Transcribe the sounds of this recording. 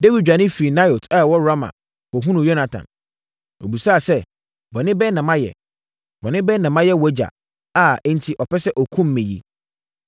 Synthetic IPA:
de˦wi˨d͡ʑᶣa˨nɪ̃˦fi˨i˨na˦jo˨tʰɛ˦˨wɔ˦ɾa˦mã̰˨ | wɔ˨ɦũ˦nʊ̃˨jɔ˦nã˨tʰã̰˨n | o˨bi˨sa˦˨sɛ˦ | bɔ˨nɪ̃˦bɛ˦nã˨mã˦jɛ̰˨ | bɔ˨nɪ̃˦bɛ˦nã˨mã˦jɛ˦wɔ˦d͡ʑa̰˨ | a˨ɛ˦n̩˨tʰi˨ʔɔ˨pʰɛ˦sɛ˦ʔɔ˨kʰũ˦m̩ː˦ẽ˨jḭ˦

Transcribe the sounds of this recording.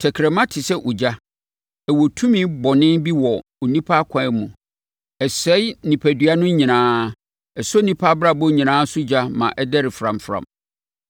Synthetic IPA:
tʰɛ˨kʰɾɛ˨mã˦tʰɪ˨sɛ˦ʔʊ˨d͡ʑa˦ | ɛ˨wo˨tʰũ˦mĩ˦bɔ˨nɪ̃˦nbi˦wɔ˨ | o˨nĩ˦pʰa˦kʷʰã˨ɛ˦mũ˨ | ɛ˨sɛ˦jnĩ˨pʰæ˨dɥa˦nʊ̃˦ɲĩ˨nãː˦ | ɛ˨so˦nĩ˦pʰa˦bɾa˦bɔ˦ɲĩ˨nãː˦sʊ˦d͡ʑa˦mã̰˨ʔɛ˦dɛ˦ɾɪ˨fɾã˨mfɾã̰˨m

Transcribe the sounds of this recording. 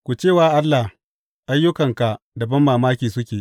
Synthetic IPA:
kʷu˨t͡ʃeː˦˨waː˨ʔa˦lːa˨h | ʔa˦jːʊ˦kɐ˨ŋka˨ʔ | dɐ˨bɐ˦mːaː˨maː˦kʲiː˨sʊ˦kʲeː˨ʔ

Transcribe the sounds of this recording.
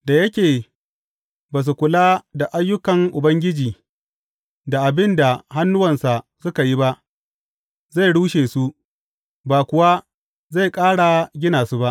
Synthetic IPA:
da˨jɐ˦kʲeː˨ | baː˨s̬u˨kʷʊ˨laː˦da˨ʔa˦jːʊ˦kɐ˨ŋʔʊ˨bɐ˦ŋɡʲɪ˦d͡ʒiː˨ | da˨ʔa˨bɪ˦nda˨ha˦nːʊ˦wɐ˨nsa˨sʊ˦ka˨ji˦ba˦ʔ | za˦˨jɽuː˦ʃeː˨su˦ʔ | baː˨kʷʊ˨wa˦ | za˦˨kʼaː˦ɽa˨ɡʲɪ˦naː˨su˦ba˦ʔ

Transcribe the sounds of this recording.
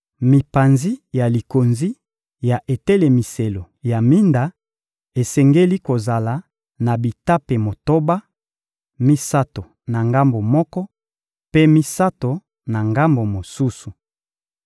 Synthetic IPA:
mi˨pa˨nzi˦ja˨li˨ko˨nzi˦ | ja˨ʔe˨tɛ˦le˨mi˨se˨lo˨ | ja˨mi˦nda˨ | e˨sɛ˨ŋɡe˦li˦ko˨za˨la˨ | na˨bi˨ta˦pe˨mo˨to˦ba˦ | mi˦sa˦to˨ | na˨ŋɡa˦mbo˨mɔ˦kɔ˦ | pe˦mi˦sa˦to˨ | na˨ŋɡa˦mbo˨mo˨su˦su˨

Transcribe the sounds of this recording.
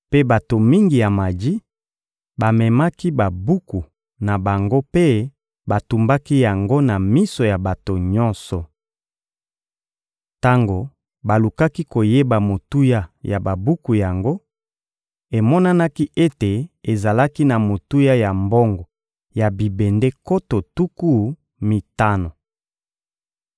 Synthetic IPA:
pe˦ba˨to˨mi˦ŋɡi˨ja˨ma˨di˦ | ba˨mɛ˨ma˦ki˦ba˨bu˦ku˨ | na˨ba˨ŋɡo˦pe˦ | ba˨tu˨mba˦ki˦ja˨ŋɡo˦na˨mi˦so˨ja˨ba˨to˨ɲɔ˦nsɔ˨ | ta˦ŋɡo˨ | ba˨lu˨ka˦ki˦ko˨je˦ba˨mo˨tu˦ja˦ja˨ba˨bu˦ku˨ja˨ŋɡo˦ | e˨mɔ˦na˦na˦ki˦ʔe˦te˨e˨za˨la˦ki˦na˨mo˨tu˦ja˦ja˨mbɔ˦ŋɡɔ˨ | ja˨bi˨be˨nde˦ko˦to˨tu˦ku˦ | mi˨ta˦no˨

